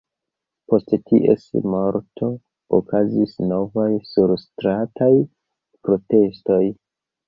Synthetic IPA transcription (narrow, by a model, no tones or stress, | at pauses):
po̞sttʰiʔḛsmo̞ɾtʰo̞ | okʰazisno̞vajsuɾstɾataj | pɾo̞te̞sto̞j